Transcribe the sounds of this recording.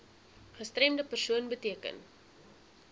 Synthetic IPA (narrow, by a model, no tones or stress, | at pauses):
χəstrɛmdəpərsuənbətiəkə̰n